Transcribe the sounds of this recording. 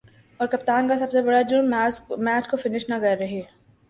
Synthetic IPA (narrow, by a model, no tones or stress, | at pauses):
ɔːɾkɐpt̪aːnkasɐbsebɐɽad͡ʒʊmɛːt͡ʃkofɪnɪʃnaɡɐɾɐɦi